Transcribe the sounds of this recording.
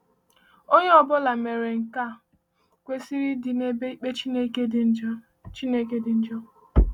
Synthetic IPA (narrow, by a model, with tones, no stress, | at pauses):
o˦ɲe˦ɔ˨bɔ˦la˨me˨ɾe˨ŋ̩˨ka˦˨ | kʷe˦si˦ɾi˦dɪ˨ne˦e˦i˦k͡pe˦t͡ʃi˦ne˦ke˦d̩˦d͡ʒ | t͡ʃi˦ne˦ke˦dɪ˨n̩˦d͡ʒɔ˦